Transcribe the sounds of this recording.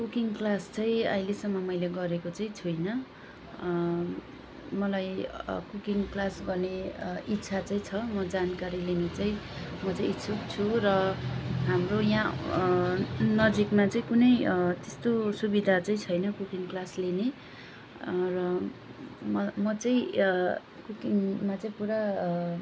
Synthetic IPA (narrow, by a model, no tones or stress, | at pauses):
kukiŋklast͡sʌĩʌ̰jlesʌŋmːʌmʌjleɡʌɾekot͡saĩt͡sʰujnʌ | mʌlajkukiŋklasɡʌrneit̪ːt͡sʰat͡saĩt͡sʰʌmʌd͡zankaɾilinet͡saĩmʌt͡saĩisʰukt͡sʰurʌɦamrojã | nʌd͡zikmat͡sʌĩkunʌjt̪est̪osubid̪ʱat͡sʌĩt͡sʰʌjnʌkukiŋklaslene | rʌ | mʌmʌt͡sʌĩ | kukiŋmat͡saĩpuɾa